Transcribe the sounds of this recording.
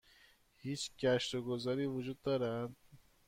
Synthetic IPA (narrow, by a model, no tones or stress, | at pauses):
hit͡ʃkaʃɾoɡʊzaɾivud͡ʒud̪̚d̪ɔɾad̪